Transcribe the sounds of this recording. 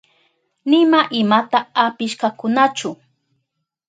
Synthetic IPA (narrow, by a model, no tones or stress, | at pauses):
nɪmaʔɪmat̪aapɪʃkakʊnat͡ʃʊ